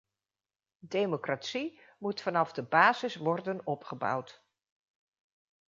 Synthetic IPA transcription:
dejmokratsimutfɑnɑvdəbaːzɪsʋɔrdənɔpχəbʌ̰wt

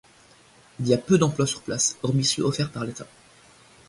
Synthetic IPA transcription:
iliapød̪ɑ̃plwasyʁplasɔʁmisø̰ɔfɛʁpaʁlet̪a

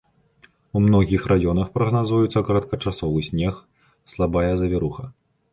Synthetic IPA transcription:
umnɔɣʲixrʔajɔnɐxpɾɐɣnazujut̪sːɐkɐɾɐt̪̚kɐt͡ʂasɔvɨsʲnʲɛx | slˠabajɐzɐvʲiɾuxɐ

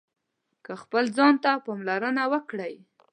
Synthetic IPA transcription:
kəxpəld͡zɑnt̪apɑmlaɾənawəkɽəj

